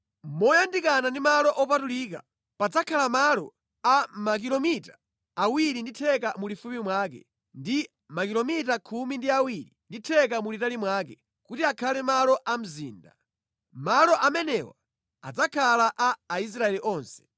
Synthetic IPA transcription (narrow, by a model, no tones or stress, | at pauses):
mɔjandikanandimalɔʔɔpatuliːka̰ | pad͡zakʰalamalɔ | amak̬ilɔmita | awiɾinditʰɛkamulifumimwaːkɛ̰ | ndi | makilɔmitakʰumindiawiɾinditʰɛk̬amulitalimwaːkɛ | kutiakʰalɛmalɔʔam̩zḭːnda̰ | malɔʔamɛnɛwa̰ | a̰d͡zakʰalaʔaːis̬ɾaɛliʔɔːnsɛ̥